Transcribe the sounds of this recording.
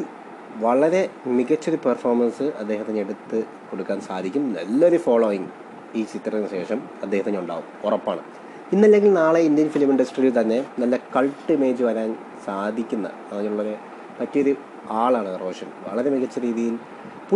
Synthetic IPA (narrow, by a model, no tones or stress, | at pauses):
ʋɐɭɐɾe̞miɣɐt͡ɕːoɾuperfo̞ːrmɐnsɨʔɐd̪ːe̞ːɦɐt̪ːɐnːeɽut̪ːɨ | ko̞ɽukːaːnsaːd̪ʱikʲːumnɐ̰lːɐoɾufoːɭoːjiŋ | iːt͡ɕit̪ːrɐnɨɕe̞ːʂɐm | ɐd̪ːeːhɐt̪ːɐɲːuɳɖa̰ːɣumorɐpːa̰ːɳɨ̰ | inːɐlːe̞ŋɡʲilnaːɭeind̪ijɐnfilimiɳɖɐsʈriːilt̪ɐnːe̞nɐlːɐkɐɭʈːɨime̞ːd͡ʑɨʋɐɾaːn | saːd̪ʱikʲːunːɐ̰ | ɐnːɐɲːiluɭːɐðe | pɐtːɐjoɾu | aːɭaːɳɨɐroːʂɐnʋɐ̰ɭɐɾe̞miɣɐt͡ɕːɐɾiːðijil | pu